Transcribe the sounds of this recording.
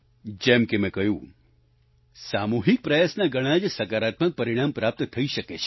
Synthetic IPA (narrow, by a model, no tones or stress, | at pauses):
d͡ʒɛmkemɛ̃kɐjũː | saːmuɦik̚pɾəjasnaɡəɽ̃ad͡ʒsɐkaːɾaːt̪mək̚pɐɾiɽ̃ampɾaːp̚t̪t̪ʰəiʃəket͡ʃʰe̥